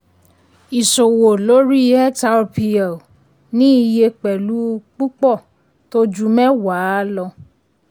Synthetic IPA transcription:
i˨so˨wo˨lo˦ɾi˦ɛ˦ta˨˦o˧pi˧ɛ˨ | nĩ˦i˧je˧k͡pɛ˨lu˨˦˧k͡pu˦k͡pɔ˦˨ | to˦d͡ʒu˦mɛ̃˦wa˨˦lɔ˧

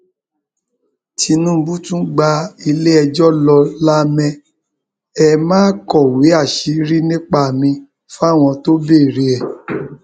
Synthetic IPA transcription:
ti˧nũ˦˧bu˦tũ˦ɡ͡ba˧i˧le˦ɛ˧d͡ʒɔ˦lɔ˧la˦mɛ̃˦˧ | ɛ˧˨mãː˦kɔ˦˨we˨˦a˦˨ʃi˨˧˦ɾi˦nĩ˦k͡pa˧˨mĩ˧ | fa˦˨w̃ɔ̃˧to˦be˦˨ɾe˨˧ɛ˨

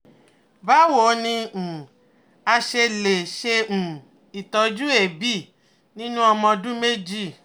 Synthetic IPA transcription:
ba˨˦wo˨˦nĩ˧ũ˨ | a˧ʃe˧le˨ʃẽ˧˨ | i˨tɔ˨˧d͡ʒu˦e˦˨bi˦˨ | nĩ˦nũ˦ɔ˧mɔ̃˧dũ˦me˦d͡ʒi˦˨

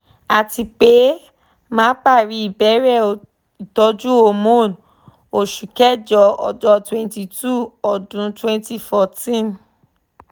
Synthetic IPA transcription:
a˨ti˧k͡pe˨˦ | mãː˦k͡pa˦˨ɾi˨˦i˦˨bɛ˨˦ɾɛ˦˨o˨ | i˨tɔ˧˦d͡ʒu˦o˧˨mo˦˨n | o˨ʃu˨kɛ˦d͡ʒɔ˧˦ɔ̰˨d͡ʒɔ˧twɛ̃˧nti˧tu˦˨ɔ˨dũ˨˧twɛ̃˧nti˦˨fɔ˧tĩ˦˨n

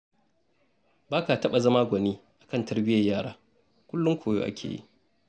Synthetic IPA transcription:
baː˦ka˨tɐ˦ɓa˨zɐ˦maː˦ɡʷɐ˨niː˦ʔa˨kɐ˦˨ntɐ˦rbɪ˦jɐ˨jaː˦˨ɽaː˦ | kʷʊ˦lːʊ˦ŋkʷoː˨jo̰ː˦ʔa̰˦kʲʰḛː˨jḭ˦ʔ

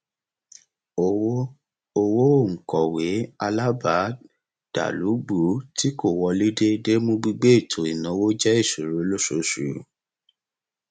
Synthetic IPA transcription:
o˨wo˦ | o˧wo˦o˦˨ŋ̩˨kɔ˨we˨˦a˧la˦ba˨˦ | d̥a̰˨lu˨˦ɡ͡bu˨˦ti˦ko˦˨wɔ˧li˦de˦de˦mõ˧ɡ͡bi˧ɡ͡be˦i˦˨tʰo˨i˨nã˨˦wo˦d͡ʒɛ˦i˦˨ʃu˨ɾu˨˦lo˦so˨˦ʃu˨

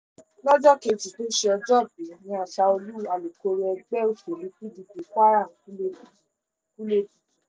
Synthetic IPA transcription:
lɔ˦d͡ʒɔ˦ke˧d͡ʒi˨to˦ʃe˧ɔ˧d͡ʒɔ˦˨be˨nĩ˧˦a˨ʃa˧o˧lu˦˨a˨lo˨ko˧ɾɛ˧ɡ͡bɛ˦u˨ko˨lu˨˦ki˦di˧bi˨˦k͡pa˦ɾa˦˨˦ | ku˦le˦bi˨

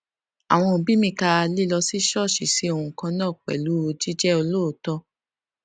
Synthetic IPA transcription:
a̰˨w̃ɔ̃˧˨bĩ˦mĩ˧ka˧a˧li˦lɔ˧si˦ʃɔ˦˨ʃi˨si˨˦o˧hũ˧kã˧nãː˦˨k͡pɛ̰˨lu˨˦o˧d͡ʒi˦d͡ʒɛ˦o˧lo˦o˨tɔ˧

